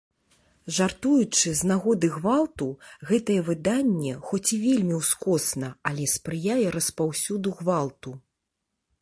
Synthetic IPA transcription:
ʐart̪ujut͡ʂɨznaɣɔd̪ɨɣvalˠt̪uɣɛt̪ɐjɛvɨd̪anʲːɛxɔt͡sʲivʲelʲmʲiwskɔsnɐalʲɛspɾɨjajɛɾɐspawsʲud̪uɣvalˠt̪u

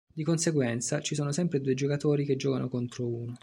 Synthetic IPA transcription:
d̪ikonseɡwɛnt̪sat͡ʃisoːnosɛmpɾed̪uːed͡ʒokat̪oːɾiked͡ʒːɔːkanʔokont̪ɾouːno

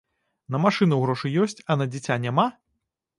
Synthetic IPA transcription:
nɐmaʂɨnɐwɣɾɔʂɨjɔsʲt͡sʲɐnɐd͡zʲit͡sʲanʲama

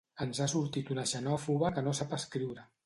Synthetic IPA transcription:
ənzasuɾt̪it̪unəʒənɔfuɣəkənosapəskɾiwɾə

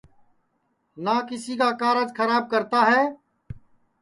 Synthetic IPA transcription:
naːkɪsiːkaːkaːɾəd͡ʒkʰəɾaːb̚kəɾt̪aːɦɛː

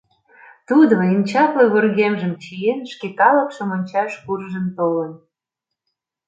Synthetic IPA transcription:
t̪ud̪oinʲt͡ɕɑkleɣorɣemʒəmt͡ɕijenʃkekɑlə̆kʃə̆monʲt͡ɕɑʃkurʒənt̪olən

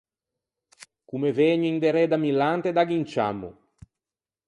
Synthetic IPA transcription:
kumeveːɲuind̪eɾɛd̪amilant̪ed̪aɡint͡ʃa̰mːṵ

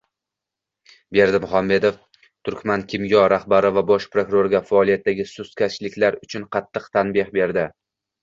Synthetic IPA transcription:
be̞ɾd̪ɪmʊhamːe̞d̪of | t̪ʰʊɾkʲmankʲʰɪmjɒɾaχbaɾɪvabɒʃpɾokʊɾoɾɡʲafaːlˠijat̪ːaɡʲɪsʊskʲʰat͡ʃlɪkʲlaɾʊt͡ʃʰʊnqʰɑt̪ʰːɨqt̪ʰanbɪhbe̞ɾd̪ɪ

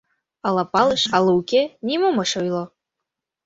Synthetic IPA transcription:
ɑlˠɑpɑlˠɤ̆ʃɑlˠɤukenʲimomɤʃojlˠo

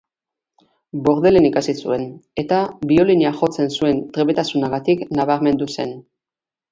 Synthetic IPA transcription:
bo̞ɾðe̞le̞nikasisue̞ne̞t̪aβio̞liniaʝo̞t͡se̞nsue̞nt̪ɾe̞βe̞t̪asunaɣat̪iknaβ̞aɾme̞nd̪use̞n

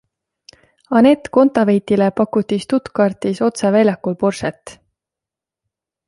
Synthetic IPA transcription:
ɑne̞t̪ːˑko̞nt̪ˑɑvejt̪ilepɑkːˑut̪ːist̪ut̪kɑrt̪ˑiso̞t̪sevæjlʲjɑkːulpo̞rset̪ːˑ

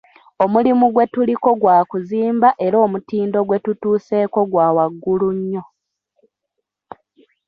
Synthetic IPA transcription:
o̞mulimuɡwe̞tuliko̞ɡwaːkuziːmbaʔe̞ɾo̞ːmutiːndo̞ɡwe̞tutuːse̞ːko̞ɡwaːwaɡːuluɲːo̞

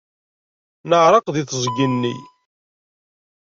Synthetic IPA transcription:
nəʕɾˤɑqðiθzˤɡːənːḭ

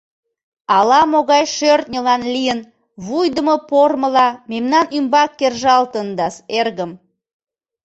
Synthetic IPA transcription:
ɑlɑmoɣɑjʃørt̪nʲəlɑnlijən | βujd̪əməporməlɑmemnɑnymbɑkːerʒɑlt̪ənd̪ɑserɣəm

